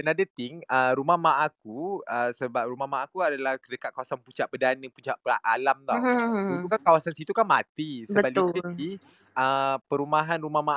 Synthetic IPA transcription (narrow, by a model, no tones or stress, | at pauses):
pənadat̪ɪŋəɾumahmaʔak̚uəsəbap̚ɾumahmaːkuadalahkədəkat̪̚kawasanpuɲt͡ʃaʔbədanəput͡ʃaʔpəaʔalamt̪ɔulukankawasansit̪ukanmat̪isəəbalii | əpəɾumaɦanɾumama